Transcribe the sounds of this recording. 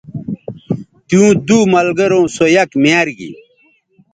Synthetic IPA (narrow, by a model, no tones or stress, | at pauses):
t̪ijũːd̪umɐlɡɐɾõːsojɐkmjaːɾɡḭ